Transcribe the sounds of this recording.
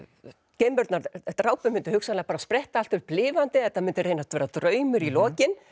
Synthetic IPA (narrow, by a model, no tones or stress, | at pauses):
cejmpʏɾt̪naɾt̪ɾaːwpʏmʏnt̪ʏhʏksanlɛaɣpaɾaspɾɛht̪aal̥t̪ʏɾplɪːvant̪ɪθɛt̪ːamɪnt̪ʏreːjnat̪vɛːɾat̪ɾœːɥmʏɾilɔːcɪn